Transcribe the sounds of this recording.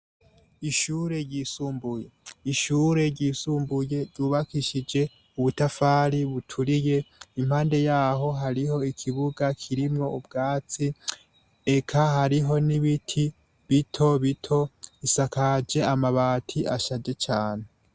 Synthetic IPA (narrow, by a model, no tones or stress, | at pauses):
iʃuːɾe̞ɾɟiːsuːmbuje̞iʃuːɾe̞ɾɟiːsuːmbuje̞ɾɟuːβakiʃid͡ʒe̞ | uβutafaːɾiβutʰuɾije̞imhaːnde̞jaːɦo̞ɦaɾiho̞ikʰiβuɡakʰiɾimŋo̞ubɡaːt͡si | ekʰahaɾiɦo̞niβitʰi | βitʰo̞βitʰo̞isakad͡ʒe̞amaβaːtʰiʔaʃad͡ʒe̞t͡ʃaːne̞